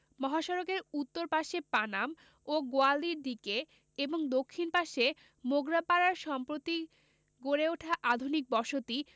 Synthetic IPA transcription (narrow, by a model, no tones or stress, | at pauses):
mɔɦaʃɔɾokeɾut̪ːoɾpaʃepanam | oɡoald̪iɾd̪ike | eboŋd̪okʰːinpaʃe | moɡɾapaɾaɾʃɔmpɾot̪i | ɡoɾeoʈʰaʔad̪ʱunik̚bɔʃot̪i